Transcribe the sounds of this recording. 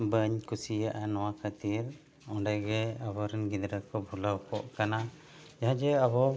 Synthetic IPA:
bəɲkusijaʔanɔwakʰət̪iɾ | ɔɖɛɡɛabɔɾɛnɡid̪ɾakɔbʱulawkɔʔkana | d͡ʒaɦãd͡ʒɛabɔ

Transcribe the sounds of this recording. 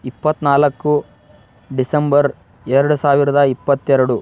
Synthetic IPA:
ipːɐt̪ːnaːlɐkːu | ɖisɐmbɐɾ | ɛɾɐɽusaːʋiɾɐd̪ɐipːɐt̪ːɛɾɐɽu

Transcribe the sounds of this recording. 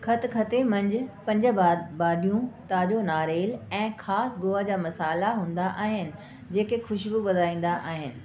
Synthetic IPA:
kʰɐt̪ʰkʰɐt̪emɐ̃ɲd͡ʑɪpɐ̃ɲd͡ʑəbabaːɗijũt̪aːd͡ʑonaːɾeːlɛ̃ːxaːsɡʊːad͡ʑaːmɐsaːlaɦũːnd̪aʔaːɦɪnɪ̆ | d͡ʑeːkexʊʃbɪʋɐd̪ʱaːĩːn̆d̪aʔaːɦɪnɪ̆

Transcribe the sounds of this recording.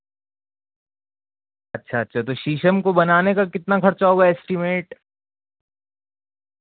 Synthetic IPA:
ɐtːʃʰaɐtːʃʰat̪oʃiːʃəmkobɐnaːnekakɪt̪nakʰɐɾt͡ʃaoɡaeːsʈɪmeːʈ

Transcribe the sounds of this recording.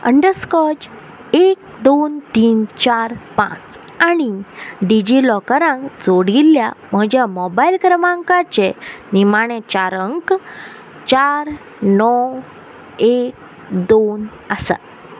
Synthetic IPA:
ə̰ɳɖəɾskɔd͡ʑ | ek̚ | d̪ont̪iːnt͡ɕaɾpã̰t͡s | aɽ̃iɖid͡ʑilɔkəɾãŋkd͡zoɽiljam̤əd͡ʑjamɔbajilkəɾmãŋkat͡ɕenimaɽ̃et͡ɕaɾəŋk | t͡ɕaɾ | nɔ | ek̚ | d̪on | əsa̰t̪̚

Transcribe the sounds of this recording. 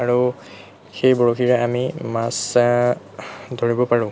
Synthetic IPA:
aɹu | xejboɹokiɹɛamimas | dʱoɹibɔpaɹʊ̃

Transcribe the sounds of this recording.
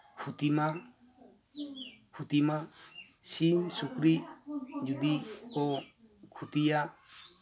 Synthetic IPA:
kʰut̪ima | kʰut̪ima | sinsukɾid͡ʒud̪ikɔ | kʰut̪ija

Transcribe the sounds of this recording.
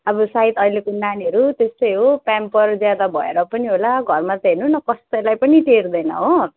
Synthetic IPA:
ʌbʌsait̪ʌilekonaniɦʌɾut̪est̪ʌjɦopampʌrd͡zjad̪abʱʌeɾʌpʌniɦolaɡʱʌrmat͡sʌɦenunʌkʌst̪ʌjlajpʌniʈerd̪ʌjnʌ̰ɦo

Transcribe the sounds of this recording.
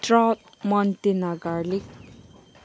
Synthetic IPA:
trat̪̚ | mʌnt̪enaɡalik̚

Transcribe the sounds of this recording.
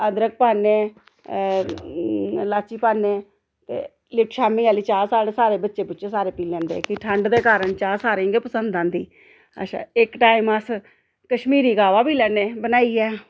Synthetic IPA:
əd̪ɾək̚paːneː | laːt͡ʃiːpaːneː | t̪ḛː | lɪʈʃaːmĩːaːliːt͡ʃaːɾsaːɽeːsaːɾeːbətːʃeːpʊt͡ʃeːsaːɾeːpiːlɛ̃ːnd̪ḛːkɪʈʰəɳɖd̪eːkaːɾəɳt͡ʃaːɾsaːɾẽːŋɡeːpəsənd̪ãːnd̪ḭː | ə̰ʃʰa̰ːɪkʈaːiməs | kəʃmiːɾiːɡaːʋaːbiːlɛːneːbənaːiːɛː

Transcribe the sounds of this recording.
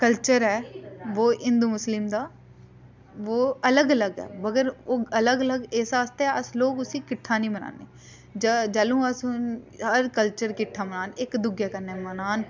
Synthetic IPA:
kəlt͡ʃəɾɦɛːʋoːʔɪnd̪uːmʊslɪmd̪aː | ʋoːələɡələɡɛ̰ːbəɡəɾoːələɡələɡesaːst̪eɛːəsloːkʊsĩːkɪʈʰːaːnĩːməna̰ːneː | d͡ʒd͡ʒəlũːəsʊnɦəɾkəlt͡ʃəɾkɪʈʰːaːmənaːnɪkd̪ʊɡjaːkəɾneːmənaːn

